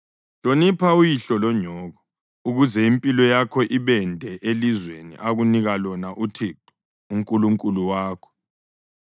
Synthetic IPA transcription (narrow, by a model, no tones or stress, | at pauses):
lonipʰaujiɬɔlɔɲʱɔːɣɔ | uɣuzɛimpʼilɔjakʰɔʔiβɛndʱɛʔelizwenḭʔaɣuniɣalɔnaʔutʰitʰʼɔ̥ | uŋkʼuluŋkʼuluwaːkʰɔ̥